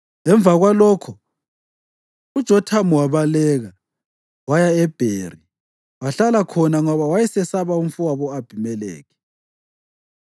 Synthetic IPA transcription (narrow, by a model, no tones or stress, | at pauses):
ɛɱvʱaɣwalɔkʰɔ | ud̥ʒ̥ʱɔtʰamuwaβalɛɣa | wajaɛb̥ʱeːri | waɬalakʰɔnaŋɔβawajɛsɛsaβauɱfuwaβɔab̥ʱimɛlɛ̰ːɣɛ